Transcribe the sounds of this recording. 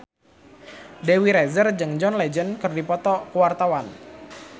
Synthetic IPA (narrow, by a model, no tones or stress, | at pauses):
dewiɾɛzərd͡ʒɨŋd͡ʒɔnlɛd͡ʒənkɨrdipɔt̪ɔkuwart̪awan